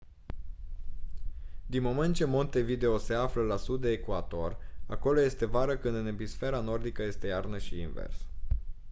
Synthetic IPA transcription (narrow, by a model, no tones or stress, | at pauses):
d̪inmo̞ment̪̚t͡ʃe̞mo̞nt̪e̞vid̪e̞ose̞afləlasud̪ːeːkuat̪o̞ra̰ko̞lo̞je̞st̪e̞vaɾəkɨnd̪ɨnebisfe̞ɾano̞rd̪ikəje̞st̪e̞jarnəʃiinvḛrs